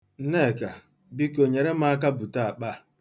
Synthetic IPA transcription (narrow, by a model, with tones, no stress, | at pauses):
ne˦˨ka˨ | bi˦ko˨ɲe˨ɾe˦m̩a˦k̬a˦bu˨ta˦a˨k͡pa˦